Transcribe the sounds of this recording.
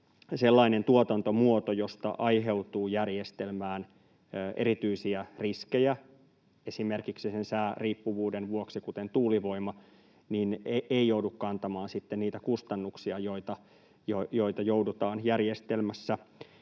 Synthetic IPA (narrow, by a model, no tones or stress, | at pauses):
selːɑinent̪uot̪ɑnt̪omuot̪ojost̪ɑ̰ʔɑjɦe̞ut̪uːjærjest̪elmæːnː | ʔḛɾit̪yisiæriskejæ | esimerkiksisensæːriːpːuʋuːdenʋuoksikut̪ent̪uːliʋo̞imɑ | nineʔeijoudukkɑnt̪ɑmɑːnsit̪ːenniːt̪ækust̪ɑnːuksiɑjoit̪ɑ | jojoit̪ɑjoudut̪ɑːnjærjest̪elmæsːæ